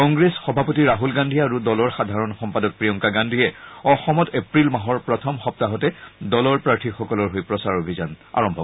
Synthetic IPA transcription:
kɔŋɡɹesxɔbʱapotiɹaɦulɡandʱiaɹudɔlɔɹxadʱaɹɔnxɔmpadɔk̚pɹijɔŋkaɡandʱiɛɔxɔmɔtepɹilmãɦɔɹpɹɔtʰɔmxɔp̚taɦɔtɛdɔlɔɹpɹaɹtʰixɔkɔlɔɹɦojpɹɔsaɹobʱizana̰ɹɔmbʱɔ

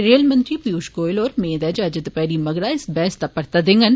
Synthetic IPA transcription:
ɾeːlmə̃nt̪ɾiːpiuːʃkoːɪloːɾmẽːd̪ɛːd͡ʒaːd͡ʒɪt̪pɛːɾiːməɡɾaːɪsbɛːst̪apəɾt̪ad̪ɪŋɡən

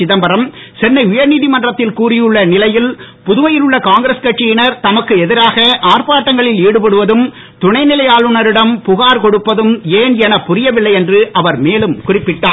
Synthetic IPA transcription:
ɪðɐmbɐɾɐm | sɛnːɐɪʊjɐɾniːðɪmɐndrɐt̪ːɪlkuːrɪjɯɭːɐnɪlɐjɪlpʊðʊʋɐjɪlɯɭːɐkaːŋɡɪɾɐskɐʈːɪjɪnɐɾt̪ɐmɐkːɯɛðɪɾaːɣɐʔaːrpaːʈːɐŋɡɐɭɪliːɽɯpɐɽɯʋɐðɯm | t̪ʊɳɐɪnɪlɐjaːlɯɳɐɾɪɽɐmpʊɣaːɾkɔɽɯpːɐðɯmeːnɛnɐpːʊrɪjɐʋɪlːɐɪɛndrɯʔɐʋɐɾmeːlɯmkʊrɪpːɪʈːaː

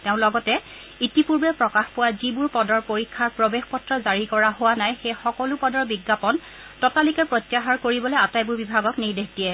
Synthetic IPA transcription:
tɛʊ̃lɔɡɔtɛ | itipuɹbɛpɹɔkaxpʊwazibʊɹpɔdɔɹpoɹikʰːaɹpɹobexpɔtɹɔzaɹikɔɹaɦowanajxejxɔkɔlʊpɔdɔɹbiɡːapɔn | tɔtalikɛpɹotːjaxaɹkoɹibɔlɛatajbuɹbibʱaɡɔknejdekdijɛ

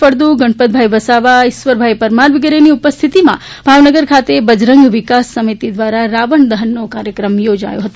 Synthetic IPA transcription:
pəɾd̪uɡəɳpət̪̚bʱajbəsaʋaɪʃʋəɾbʱajpəɾmaɾʋɪɡɾeniupəst̪ʰit̪imã̰ | bʱaʋnəɡəɾkʰat̪ebəd͡ʒɾəŋɡʋɪkasːəmit̪id̪ʋaɾaɾaʋəɳd̪əɦənːokaɾjəkɾəmjod͡ʒa̰jõ̰ɦət̪

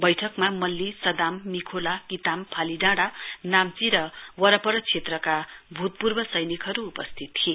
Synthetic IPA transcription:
bʌjʈʰʌkmamʌlːisʌd̪amːikʰolakit̪ampʰaliɖãɽanamt͡siɾʌwʌɾʌpʌɾʌt͡sʰet̪rʌkabʱut̪̚purbʌsʌjnikʰɦʌɾuːpʌst̪ʰit̪ːʰie

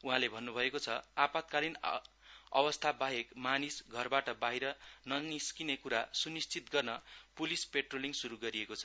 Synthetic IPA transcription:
uɦãlebʱʌnːubʱʌekot͡sʰʌapat̪̚kalin | ʌbʌst̪ʰabaɦekmanisɡʱʌrbaʈʌbaɦiɾʌnʌniskinekuɾasunist͡sit̪ɡʌrnʌpulispeʈroliŋsuɾuɡʌɾiekot͡sʰʌ

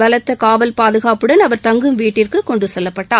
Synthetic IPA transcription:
ɐlɐt̪ːɐkaːʋɐlpaːðɯɣaːpɯɽɐnɐʋɐɾt̪ɐŋɡɯmʋiːʈːɪrkɯkɔɳɖɯsɛlːɐpːɐʈːaː

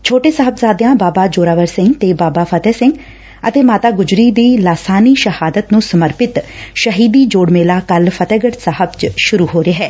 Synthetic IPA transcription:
t͡ʃʰoːʈeːsəɦəbsaːd̪eãːbaːbaːd͡ʒoːɾaːʋəɾsɪ̃ŋɡt̪eːbaːbaːpʰət̪ɛːsɪŋɡ | ə̰t̪eːmaːt̪aːɡʊd͡ʒɾiːd̪iːlaːsaːniːʃəhaːd̪ət̪nũːsəməɾpɪt̪ʃəɦiːd̪iːd͡ʒoːɽmeːlaːkəlpʰət̪ɛːɡəʈsəɦəbt͡ʃʃʊɾuːɦoːɾeːɦɛː

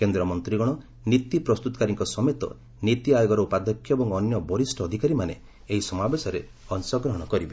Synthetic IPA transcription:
kend̪ɾɔmɔnt̪ɾiɡɔɽ̃ɔ | nit̪ipɾɔst̪ut̪ɔ̥kaɾiŋkɔsɔmet̪ɔ̰ | nit̪iajoɡɔɾɔupad̪ʱɔkʰjɔebɔŋɔnjɔbɔɾisʈɔːd̪ʱikaɾimaneː | ɦisɔmabesɔɾḛ | ɔnsɔɡɾɔɦɔɽ̃ɔkɔɾibe

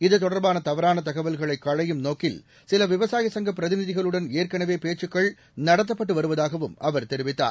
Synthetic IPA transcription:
ɪðɯt̪ɔɽɐɾbaːnɐt̪ɐʋɐɾaːnɐt̪̬ɐɣɐʋɐlɣɐɭɐɪkːɐɻɐjɯmnoːkːɪl | sɪlɐʋɪʋɐsaːjɐsɐŋɡɐp̬ːɪɾɐðɪnɪðɪɣɐɭɯɽɐneːɾkɐɳɐʋeːpeːt͡ʃːɯkːɐɭ | nɐɽɐt̪ːɐpːɐʈːɯʋɐɾɯʋɐðaːɣɐʋɯmɐʋɐɾt̪ɛɾɪʋɪt̪ːa̰ː

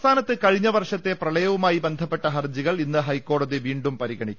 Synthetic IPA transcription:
st̪ʰaːnɐt̪ːɨkɐɻiɲːɐʋɐrʂɐt̪ːe̞prɐɭɐjɐʋumaːjibe̞nd̪ʱɐpːe̞ʈːɐɦɐrd͡ʑiɣɐɭinːɨɦɐjko̞ːɽɐðiʋiːɳɖumpɐɾiɣɐɳikː

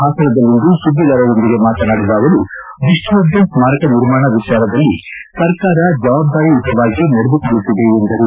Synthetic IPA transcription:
ɦaːsɐɾɐd̪ɐlːind̪usud̪ːɐlɐɾɐɾo̞nd̪iɡe̞maːt̪ɐnaːɽulaːɡɐlu | ʋiʂʈɐʋɐɾd̪ɐnsmaːɾɐkɐniɾmaːɳɐʋit͡ʃaːɾɐd̪ɐlːi | sɐɾkaːɾɐd͡ʒɐʋaːb̚d̪aːɾiut̪ɐʋaːɡinɐɽed̪ukoɭːut̪ːid̪e̞ːnd̪ɐɾu

